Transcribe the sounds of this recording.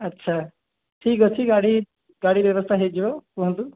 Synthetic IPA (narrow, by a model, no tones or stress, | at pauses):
ɐtːʃʰa | ʈʰiːkosʰiɡaːɽi | ɡaːɽiɾjeʋəst̪ʰaɦed͡ʒoɦnd̪u